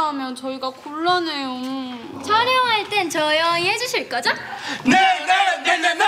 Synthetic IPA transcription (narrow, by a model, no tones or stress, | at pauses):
amjʌnt͡ɕʌiɡakuɭːʌnejo | t͡ɕʰʌɾjʌŋɦaɭt͈e̞nt͡ɕʌjʌiɦed͡ʑuɕʰiɭk͈ʌd͡ʑonenenenen